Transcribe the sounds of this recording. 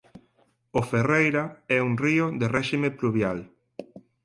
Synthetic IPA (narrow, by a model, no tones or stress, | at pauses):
oferejɾaɛuŋriʊðerɛʃimepluβjal